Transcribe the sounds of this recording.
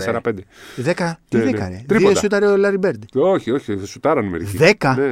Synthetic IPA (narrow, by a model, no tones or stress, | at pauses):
seɾɐpend̪eðekɐt̪iðekɐ̰ɾet̪ðiipootɐsut̪ɐɾeolɐɾibeɾd̪oçioçisut̪ɐɾɐnimeɾiðekɐne